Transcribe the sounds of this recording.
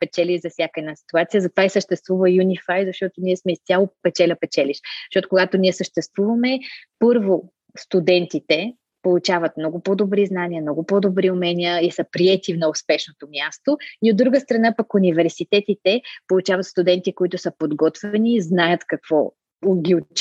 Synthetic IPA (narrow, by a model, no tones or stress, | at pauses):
pɛt͡ʃɛlʲiʒzɐfsʲjakəɛd̪nasi̥t̪uat̪sijəzɐt̪ovaisəʃt̪ɛst̪vuvəjunifajzɐʃt̪ɔt̪oniɛsmɛist̪ʲalˠopɛt͡ʃɛlʲəpɛt͡ʃɛliʃʃt̪ɔt̪okoɡat̪onʲiɛsəʃt̪ɛst̪vuvəmɛpɤɾvo | st̪ud̪ɛnt̪it̪ɛ | polˠut͡ʃavət̪mnɔɡʊpɔd̪obɾiznanʲiəmnɔɡʊpɔd̪obɾiʊmɛniəisəpɾiɛt̪ivnɐʊspɛʃnot̪omjast̪oiod̪ːɾuɡəst̪ɾɐnapəkunʲivɛɾsit̪ɛt̪it̪ɛpolˠut͡ʃavət̪st̪ʊd̪ɛnt̪ikoit̪ʊsəpod̪ɡɔt̪vɛniːznajət̪kɐkv̥ɔ | ɡʲio